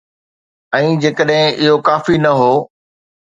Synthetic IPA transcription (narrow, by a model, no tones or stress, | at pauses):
ɛ̃ːd͡ʑeːkəɗɦɪ̃ʔɪɦokaːfinɐɦoː